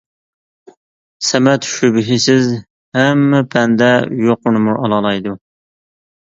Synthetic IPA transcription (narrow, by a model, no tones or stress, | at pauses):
sɛmɛt̪ʃubɪɦɪsɪz | hɛmːɛpʰɛnd̪ɛjoqʊnɨmuɾʔɑlˠɑlˠɑjd̪u